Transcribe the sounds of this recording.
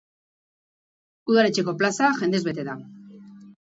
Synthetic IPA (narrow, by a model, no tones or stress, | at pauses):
uðaɾe̞t͡ʃe̞ko̞plasaʝe̞nd̪e̞zβe̞t̪e̞ða